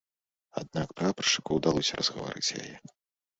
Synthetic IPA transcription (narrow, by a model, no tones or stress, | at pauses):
a̰d̪̚nakpɾapɾɐ̥ʂɨ̥kuwd̪alˠɔsʲɐrʔɐzɣɐva̰ɾɨt͡sʲja̰jɛ